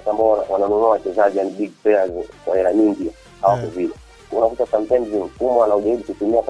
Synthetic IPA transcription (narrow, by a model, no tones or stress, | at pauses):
tambɔawananunuawat͡ʃɛzaʄianiɓiɡ̚pɛazkwahɛɾaɲiŋɡia | hawakuvilɛ | unakutat͡ʃam̩pɛndzim̩kumaanauʄaɾiɓukutumiak